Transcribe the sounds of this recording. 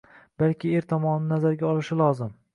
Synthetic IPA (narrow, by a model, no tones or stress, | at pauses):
b̥alkʲɪeɾt̪ʰɒmɒnɪnazaɾɡʲaɒlˠɪʃɪlˠɒzɪm